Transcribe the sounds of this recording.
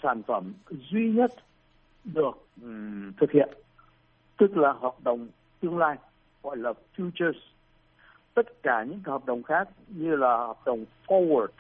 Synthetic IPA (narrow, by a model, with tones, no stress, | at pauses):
saː˧˩nfə˧˩mzwi˧ɲə˦˥t̚ | ɗɨ˨˩ək̚t̪ʰɨ˨˩k̚hḭ˧˨ən | t̪ɨ˦˥k̚laː˨˩ɦwaː˨˩p̚ɗə˨˩wŋ͡m | t̪ɨ˧əŋlaː˧j | ɣɔ̰˧˨jlaː˨˩fju˧t͡ɕə˧˩s | t̪ə˦˥t̚kaː˧˩ɲɨ̰˧˥ŋkːhɔ˨˩p̚ɗə˨˩wŋ͡mxaː˦˥k̚ɲɨ˧laː˨˩hɔ˨˩p̚ɗə˨˩wŋ͡mfɔ˧wə˨˩t̚